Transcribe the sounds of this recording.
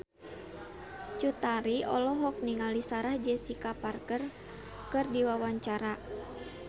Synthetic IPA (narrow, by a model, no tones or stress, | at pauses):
t͡ʃut̪aɾiɔ̰lɔɦɔk̚niŋalisaɾahd͡ʒɛsikaparkər | kɨrdiwawaɲt͡ʃaɾa